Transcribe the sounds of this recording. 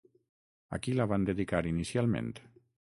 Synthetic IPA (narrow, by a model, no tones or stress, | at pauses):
a̰kilaβand̪eðikaɾinisialˠmḛ̃nt̪